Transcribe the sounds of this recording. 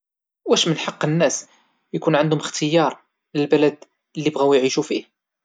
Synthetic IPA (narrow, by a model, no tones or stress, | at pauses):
wæʃmənħɑqːənːæs | jkunʕand̪hʊməxt̪ʰəjɑɾˤ | ləlbælæd̪ | lːibɣæwjʕiʃufih